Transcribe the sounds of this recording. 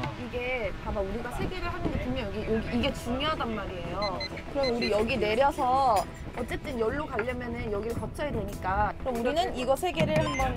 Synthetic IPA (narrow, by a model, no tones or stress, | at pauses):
iɡe̞tamauɾiɡasʰe̞ɡe̞ɾɯɭɦanɯndetumʌjʌɡijʌɡiːɡe̞t͡ɕuŋjoɦadanmaɾie̞jo | kɯɾʌsʰʌuɾijʌɡine̞ɾjʌsʰʌ | ʌt͡ɕ͈e̞t͈ɯnjʌɭːokaʎːʌmjʌnɯnjʌɡiɯɭkʌt͡ɕʰʌjadwe̞ɲik͈akɯɾʌmuɾinɯniɡʌsʰe̞ɡe̞ɾɯɭhambʌn